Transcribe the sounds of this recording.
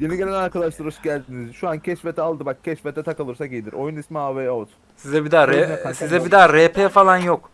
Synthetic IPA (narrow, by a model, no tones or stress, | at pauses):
je̞niɟelʲænaɾkʰad̪ˠaʃlˠɯɾɯsɟælʲd̪inizʃuancʰɛʃfet̪ʰɛalˠd̪ɯbak̚cʰɛʃfet̪ʰɛt̪ʰakalˠɯɾsakijd̪iɾo̞junismiaːveːot̪ | sizɛbid̪aːɾɛsizɛbid̪aːɾeːpʰefalˠanjo̞k